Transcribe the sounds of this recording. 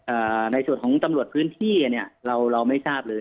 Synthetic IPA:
ʔaː˨˩na˧jsu˨˩nkʰɔː˩˦ŋt̪a˧mɾu˨˩ət̚pʰɯː˦˥nt̪ʰiː˥˩a˨˩ni˥˩ɐɾa˧wɾa˧wma˥˩jsaː˥˩p̚lɤː˧j

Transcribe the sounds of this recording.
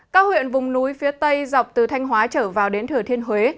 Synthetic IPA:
kaː˦˥k̚hwḭ˧˨ənvʊ˨˩ŋ͡mnu˨˦jfi˨˦ət̪ə˧jza˨˩wk͡p̚t̪ɨ˨˩t̪ʰa˧jŋ̟ɦwaː˨˦t͡ɕəː˧˩vaː˨˩wɗe˨˦nt̪ʰɨ˧˩ət̪ʰi˧ənɦwe˨˦

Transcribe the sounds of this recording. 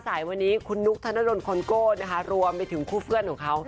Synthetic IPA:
saː˩˦jwa˧nːiː˦˥kʰu˧nːu˦˥k̚t̪ʰa˧na˦˥do˧nkʰo˧nkoː˥˩na˦˥kʰa˦˥ɾu˧əmpa˧jt̪ʰɯ˩˦ŋkʰuː˥˩pʰɯ˥˩ənkʰɔː˩˦ŋkʰa˦˥w

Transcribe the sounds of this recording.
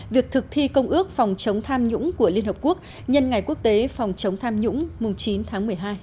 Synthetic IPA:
vi˨˩ək̚t̪ʰɨ˨˩k̚t̪ʰi˧kə˧wŋ͡mʔɨ˦˥ək̚fa˨˩wŋ͡mt͡ɕə˨˦wŋ͡mt̪ʰaː˧mɲʊ̰˧˥ŋ͡mku˧˩əli˧nhəː˨˩p̚ku˦˥ək̚ | ɲə˧nŋa˨˩jku˦˥ək̚t̪e˨˦fa˨˩wŋ͡mt͡ɕə˨˦wŋ͡mt̪ʰaː˧mɲʊ̰˧˥ŋ͡mmʊ˨˩ŋ͡mt͡ɕi˨˦nt̪ʰaː˨˦ŋmɨ˨˩əjɦaː˧j

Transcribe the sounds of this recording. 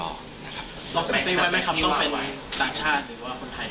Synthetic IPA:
bɔː˨˩k̚sʰa˨˧˩t̪iː˧wa˧jma˥˩jkʰa˧mt̪ɔ˥˩pe˧nw | t̪aː˨˩ŋt͡ɕʰaː˥˩t̪̚ɾɯː˩˦waː˥˩kʰo˧nt̪ʰa˧j

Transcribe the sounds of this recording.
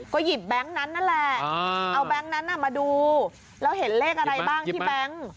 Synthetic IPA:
kɔː˥˩ji˨˩p̚bɛ˦˥ŋna˦˥nːa˦˥˩nlɛ˨˩ʔa˧wbɛ˦˥ŋna˦˥nʔa˨˩maː˧duː˧ | lɛː˦˥wɦe˨˩˦nleː˥˩k̚ʔa˧ɾa˧jbaː˥˩ŋt̪ʰiː˥˩bɛ˦˥ŋ

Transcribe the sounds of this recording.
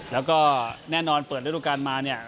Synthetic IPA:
lɛː˦˥wkɔː˥˩nɛː˥˩nɔː˧npəː˨˩t̪̚ːdu˧˥˧kaː˧nmaː˧ni˥˩ɐ

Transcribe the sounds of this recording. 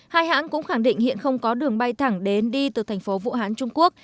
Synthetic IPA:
haː˧jhɦa̰ː˧˥nkʊ̰˧˥ŋ͡mxaː˧˩ŋɗḭ̈˧˨ŋ̟hḭ˧˨ənxə˧wŋ͡mkɔ˨˦ɗɨ˨˩əŋɓa˧jt̪ʰa˧˩ŋɗe˨˦nɗi˧t̪ɨ˨˩t̪ʰŋ̟fo˨˦vṵ˧˨haː˨˦nt͡ɕʊ˧ŋ͡mku˦˥ək̚

